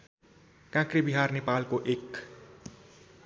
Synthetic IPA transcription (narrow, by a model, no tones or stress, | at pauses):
kãkribiɦarnepalkoʔek